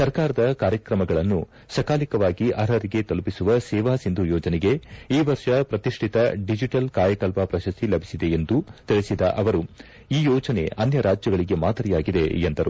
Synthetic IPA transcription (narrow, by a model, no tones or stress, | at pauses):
sɐɾkaːɾɐd̪ɐkaːɾjɐkɾɐmɐɡɐɭɐnːu | sɐkaːlikɐʋaːɡiʔɐɾɐɾiɡe̞t̪ɐlpisuʋɐsɛːʋaːsind̪ʱujɔːd͡ʒɐnɛɡe̞iːʋɐɾʂɐpɾɐt̪iʂʈʰit̪ɐɖid͡ʒiʈɐlkaːjɐkɐlpapɾɐʃɐst̪ʰilɐbʱisid̪e̞end̪ut̪iɭesid̪ɐ̰ʔɐʋɐɾu | iːjɔːd͡ʒɐne̞̰ɐnjɐɾaːd͡ʒjɐɡɐɭiɡe̞maːd̪ɐɾijaːɡid̪e̞̰end̪ɐɾu